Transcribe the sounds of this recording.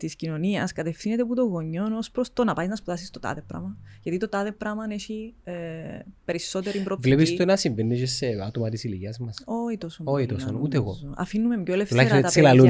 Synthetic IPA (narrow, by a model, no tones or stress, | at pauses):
t̪iscino̞niɐskɐt̪e̞fθinet̪eput̪o̞ɣo̞ɲːo̞nospɾost̪o̞nɐpɐjznɐspuðɐsist̪o̞t̪ɐ̰ðepɾɐ̰mɐʝɐt̪it̪ot̪ɐðepɾɐmɐneʃi | pe̞ɾiso̞t̪eɾimbɾovlepist̪onɐsiɱvenːet͡ʃeseɐt̪omɐt̪isiliʝiɐzmɐso̞it̪osooit̪osonut̪eɣo̰soɐ̰finːume̞mjoeleft̪ulɐt̪ɐsilɐlu